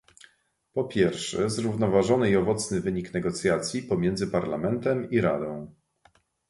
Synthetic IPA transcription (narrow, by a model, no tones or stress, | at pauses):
pɔpʲjɛɾfʂɛzɾuvnɔvaʐɔnɘiɔvɔt̪snɘvɘɲiknɛɡɔt̪sʲjat̪sʲjipɔmʲjɛnd̪zɘpaɾlamɛnt̪ɛmiɾad̪ɔ̃w̃